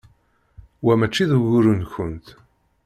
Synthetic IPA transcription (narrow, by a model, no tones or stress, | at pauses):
wæmæt͡ʃːiðuɣʊɾənçənt̪